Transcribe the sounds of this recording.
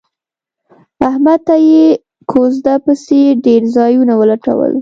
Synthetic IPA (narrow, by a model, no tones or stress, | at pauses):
ahmad̪̚t̪aje | kʰozd̪apəseɖeɾzɑjunawəlaʈa̰wə̰l